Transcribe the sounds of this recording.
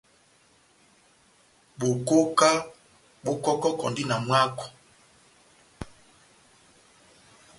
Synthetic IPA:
ɓo˨ko˦ka˦ | ɓo˦kɔ˦kɔ˦kɔ̰˨ndi˦na˨mwa˦kɔ̥˨

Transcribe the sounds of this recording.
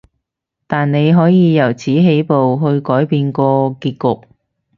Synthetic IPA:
t̪aː˨nne˨˧jɦɔː˨˥jiː˨˧jɐ˨˩wt͡sʰiː˨˥ɦe˨˥jpo˨wɦɵ˧ɥkɔː˨˥jpiː˧nkɔː˧kiː˧t̚kʊ˨k̚

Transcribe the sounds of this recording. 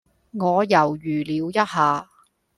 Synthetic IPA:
ŋɔː˨˧jɐ˨˩wjyː˨˩liː˨˧wjɐ˥t̚ɦaː˨˧

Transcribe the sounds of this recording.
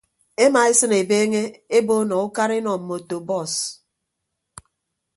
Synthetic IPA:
e˦ma˨e˦sɨ˦ne˨beː˦ŋe˦e˦bo˦nɔ˨u˦ka˦ɾi˦nɔ˨m̩˨mo˨to˨bɔ˦˨s

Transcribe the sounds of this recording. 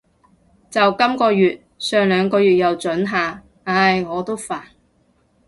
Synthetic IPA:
t͡sɐ˨wkɐ˥mkɔː˧jyː˨t̚ | sœː˨˧ŋlœː˨˧ŋkɔː˧jyː˨t̚jɐ˨wt͡ʃɵ˨˥nɦaː˨ | ɐ˧˥jŋɔː˨˧t̪o˥wfaː˨˩n

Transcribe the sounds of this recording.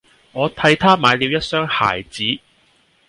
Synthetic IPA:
ŋɔː˨˧t̪ʰɐ˧jt̪ʰaː˥maː˨˧jliː˨˧wjɐ˥t̚sœː˥ŋha̰ː˨˩jt͡siː˨˥

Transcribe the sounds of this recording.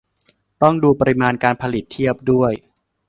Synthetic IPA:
t̪ɔ˥˩ŋduː˧pa˧ɾi˦˥maː˧nkaː˧npʰa˧li˨˩t̪ʰːi˥˩əp̚du˥˩əj

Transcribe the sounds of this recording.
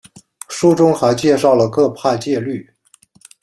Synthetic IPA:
ʂu˥ʈ͡ʂʊ˥ŋxa˧˥ɪt͡ɕjɛ˥˧ʂɑ˥˩ʊlə˩kɤ˥˧pʰa˥˧t͡ɕjɛ˥˧ly˥˩

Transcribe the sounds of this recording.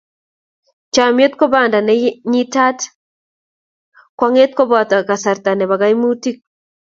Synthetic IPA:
t͡ʃa˨mje˦t̪̚kɔ˦ba˨nda˨nɛɲi˦ta˦t | kwa˦ŋe˦t̪̚ko˦bɔt̪a˨ka˨sa˨ɾt̪a˨nɛ˨ba˨ɡa˦imu˦ti˦k̚

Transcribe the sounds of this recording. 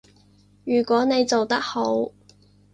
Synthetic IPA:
jyː˨˩kʷwɔː˨˥ne˨˧jt͡so˨wt̪ɐ˥k̚ho˨˥w

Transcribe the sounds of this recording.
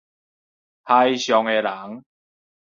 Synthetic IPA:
t̪ʰa˧jɕjɔ˨ŋe˨˧la˨˦ŋ

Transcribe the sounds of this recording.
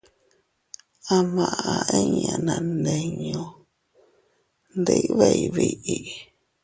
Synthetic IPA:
a˧mã˨ʔa˧e˦ɲã̰˧˨nã˨nde˨ɲõ˧ | nd̪i˦ʔβe˦˧i˨βi˨ʔi˨

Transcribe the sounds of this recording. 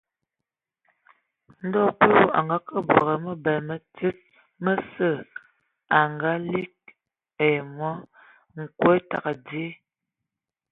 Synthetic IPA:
n̩˦dɔ˦pu˦˨a̰˨ŋɡa˨˦kə˦bwɔ˨ɣə˨mə˦bɛ˨lmə˨ti˦t̚ | mə˦sə˦˨ | a˨ŋɡa˨˦li˦k̚ | e˨mɔ˦ | ŋ̩˨kwe˦ta̰˨ka˨dje˦

